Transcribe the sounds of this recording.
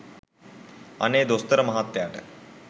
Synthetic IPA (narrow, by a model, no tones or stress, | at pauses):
ɐ̰neːd̪ost̪ɐɾɐmɐɦat̪ːjaːʈə̥